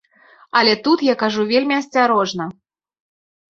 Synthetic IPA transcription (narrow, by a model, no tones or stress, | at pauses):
ɐlʲɛt̪ut̪jakaʐuvʲelʲmʲiɐsʲt͡sʲaɾɔʐnɐ